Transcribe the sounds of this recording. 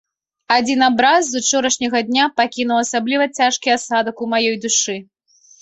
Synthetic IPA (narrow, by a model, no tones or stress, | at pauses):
ad͡zʲinabɾazːut͡ʂɔɾɐʂnʲɐɣɐd̪ʲnʲapakʲinuwɐsablʲivɐt͡sʲaʂkʲiasad̪ɐkumajɔjd̪uʂɨ